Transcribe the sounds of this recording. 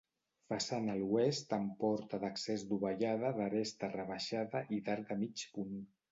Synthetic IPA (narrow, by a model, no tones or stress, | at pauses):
fasanəluest̪əmpɔɾt̪aðəksezd̪uβaʎað̞əðəɾest̪ərəβaʃaðəʔiðaɾd̪əmit͡ʃpun